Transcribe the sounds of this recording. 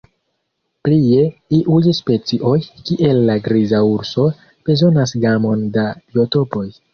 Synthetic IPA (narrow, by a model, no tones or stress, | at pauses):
plie̞iʔujspe̞t͡siʔo̞jkiʔe̞lːaɡɾizauɾso̞ | b̥e̞zo̞nas̬ɡamo̞ndabio̞to̞po̞j